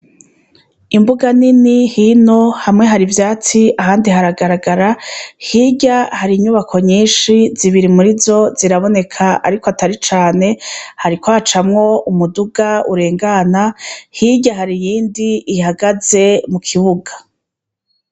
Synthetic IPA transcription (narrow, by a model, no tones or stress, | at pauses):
imbuɡaninihino̞hamŋe̞ɦaɾivjaːt͡siahaːndihaɾaɡaɾaɡaɾahiɟahaɾiɲuβakʰo̞ɲiːnʃiziβiɾimuɾizo̞ziɾaβo̞ne̞kʰaa̰ɾikoataɾit͡ʃaːne̞haɾikwaːt͡ʃamŋo̞umuduɡauɾe̞ːŋɡanahiɟaɦaɾijiːndiːhaɡaze̞mukʰiβuɡḁ